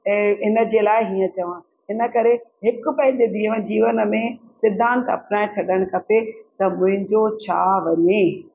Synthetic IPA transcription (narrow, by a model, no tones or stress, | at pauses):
ɦɪnə̆d͡ʑeːlaːɪɦiːə̃t͡ɕɐʋãː | ɦɪnə̆kɐɾeɦɪkʊpɐ̃ɦɪ̃ɲd͡ʑed̪iːəʋə̃d͡ʑiːʋənəmẽsɪd̪ʱːãːnt̪ɐ̰pnaːɪt͡ɕʰɐɗəɽ̃kʰɐpet̪ɐmʊ̃ɦɪ̃ɲd͡ʑot͡ɕʰa̰ːʋɐɲeː